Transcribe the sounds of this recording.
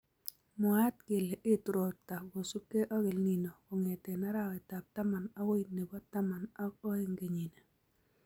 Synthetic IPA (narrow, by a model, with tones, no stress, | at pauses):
mɔ˨a˦t̚kɪ˨le˨ʔɪ˦tɾo˨ta˨ɡo˨su˦ke˦ʔɔ˦ɡɪ˨lni˨no˨kɔ˨ŋe˨tɛ˨na˦ɾa˦wɛ˨ta˨p̚ta˦ma˨na˦we˦i˨ne˨bɔ˦ta˦ma˨na˦ɔ˦e˦ŋɡe˨ɲi˨ne˨